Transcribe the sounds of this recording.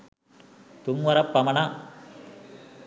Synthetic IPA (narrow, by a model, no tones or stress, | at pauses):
t̪umʋɐɾɐpːɐmɐna